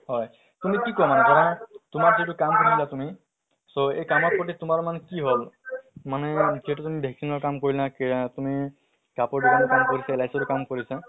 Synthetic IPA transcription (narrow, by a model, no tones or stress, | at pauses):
hɔj | tumikikɔamanɛkɔɹɔ̃tʊmaɹzitukamkuniilatumi | soejkamɔt̚pɔtitʊmaɹmankiɦolmanɛziɦɛtutumibʱɛksinɔɹkamkoɹilaktumi | kapɔɹdikanɔkamkoɹisaelajsɔtukamkoɹisa